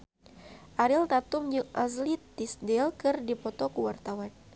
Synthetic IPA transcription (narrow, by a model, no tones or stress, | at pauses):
ʔaɾilt̪at̪umɲukʔazlit̪ːisdɛlkɨrdipɔt̪ɔkuwart̪awan